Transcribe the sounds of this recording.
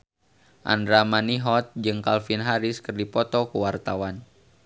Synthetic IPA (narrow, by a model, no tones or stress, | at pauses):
ʔa̰ndɾamaniɦɔt̪̚d͡ʒɨŋkalfinɦaɾiskɨrdipɔt̪ɔkəwart̪awan